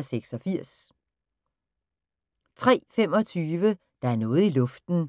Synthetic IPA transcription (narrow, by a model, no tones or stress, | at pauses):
seɡ̥sɒ̽fiɐ̰s | t͡sʰʁɛ̰ːfem̰ɒ̽t͡sʰyːʋə | d̥ɑ̈æɐnɔ̽ːð̞̩ˠilɔ̽fd̥n̩